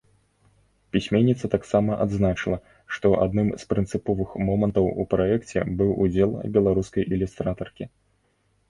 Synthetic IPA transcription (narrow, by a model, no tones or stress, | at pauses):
pʲisʲmʲɛnʲːit̪sɐt̪aksamɐʔad̪znat͡ʂɨlˠɐ | ʂt̪ɔʔa̰d̪nɨmspɾɨnt̪sɨpɔvɨxmɔmɐnt̪ɐwupɾaɛkt͡sʲɛ̰bɨwʔud͡zʲɛlˠɐ̰bʲɛlˠaɾuskɐjʔilʲust̪ɾat̪ɐrkʲi